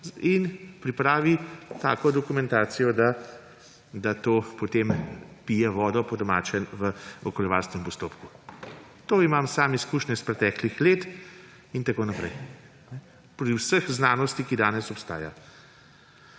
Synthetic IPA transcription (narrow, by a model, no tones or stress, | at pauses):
inpɾipɾaːʋit̪a̰ːkɔd̪ɔkumɛ̃nt̪aːt̪sijɔd̪a | d̪at̪oːpot̪empijɛʋɔːd̪ɔpɔd̪ɔmaːt͡ʃɛnʋəɔkɔljɛʋaːlskɛmpɔst̪oːpku | t̪oːimamsaːmiskuːʃnɛspɾɛt̪ɛklixleːt̪ | int̪akoːnapɾɛ̰j | nɛ | pɾɾiwsəxznaːnɔst̪ikid̪aːnɛsɔpst̪a̰ːja̰